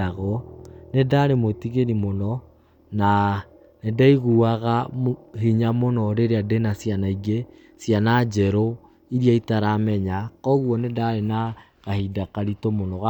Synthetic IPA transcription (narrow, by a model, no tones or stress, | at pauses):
aɣɔnedaɾemotiɣenimonɔ | na | nedaiɣuaɣaɦiɲamonɔɾeɾeadenasjanaiɡe | sjanad͡ʒɛɾo | iɾiaitaɾamɛɲakɔɣwɔnedaɾena | ɣahidakaɾitomonɔɣa